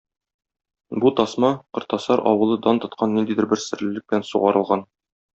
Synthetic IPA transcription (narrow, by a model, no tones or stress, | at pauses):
but̪ɒsmɑqɤ̆ɾt̪ɑsɑɾɒ̰wɤ̆lˠɤd̪ɑnt̪ɤ̆t̪̚qʰɑnːind̪id̪ɘ̆ɾbɘɾsɘ̆ɾlɘ̆lːɘk̚bɘ̆lænsuʁɑɾɤ̆lˠʁɑn